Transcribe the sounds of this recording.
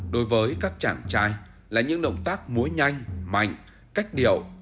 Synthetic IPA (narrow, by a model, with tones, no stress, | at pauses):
ɗo˨˦jvəː˨˦jkaː˦˥k̚t͡ɕa̰ː˧˩ŋt͡ɕaː˧j | laː˨˩ɲɨ̰˧˥ŋɗə̰˧˨wŋ͡mt̪aː˦˥k̚mu˨˦əɲa˧jŋ̟ma̰˧˨jŋ̟ | ka˦˥jk̟̚ɗḭ˧˩˨əw